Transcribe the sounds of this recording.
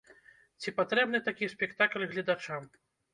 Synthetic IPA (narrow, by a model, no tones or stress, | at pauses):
t͡sʲipat̪ɾɛbnɨt̪akʲisʲpʲɛkt̪aklʲɣlʲid̪at͡ʂam